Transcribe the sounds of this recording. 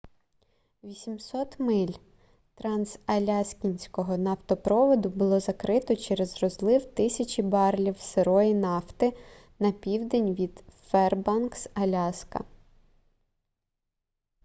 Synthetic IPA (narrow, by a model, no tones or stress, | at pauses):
ʋʲisʲimsɔt̪mɪlʲ | t̪ɾɑnsɐlʲɑsʲkʲinʲsʲkɔɦɔnɑft̪ɔpɾɔʋɔd̪ʊbʊlˠɔzɐkɾɪt̪ɔt͡ʃɛɾɛzrɔzlˠɪwt̪ɪsʲɐt͡ʃʲibɑrlʲiwseɾɔjinɑft̪ɪ | nɐpʲiwd̪enʲʋʲid̪fɛrbɑnksɐlʲɑskɐ̰